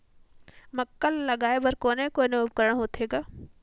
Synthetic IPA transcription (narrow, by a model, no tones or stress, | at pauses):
mɐkːəlːɐɡaːebɐɾkoːnekonobkəɾəɽ̃ɦoːt̪ʰeːɡaː